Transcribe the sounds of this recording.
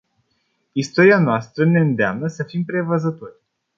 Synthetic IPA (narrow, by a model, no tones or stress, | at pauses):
ist̪o̞ɾianoast̪ɾəne̞ɨnd̪ea̰mnəsəfimpɾe̞vəzət̪o̞rʲ